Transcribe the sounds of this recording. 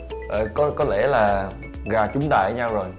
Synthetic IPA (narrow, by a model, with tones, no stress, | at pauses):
ʔəː˨˩kɔ˨˦kɔ˨˦le˧˩laː˨˩ | ɣaː˨˩t͡ɕʊ˨˦ŋ͡mɗ̪a̰ː˧˨ə˧˨˦ɲa˧wzo˨˩j